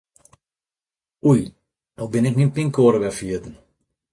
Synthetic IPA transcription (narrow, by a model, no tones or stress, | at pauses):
uj | nobɪnɛk̚ninpiŋkoːɾəʋɛfiətən̩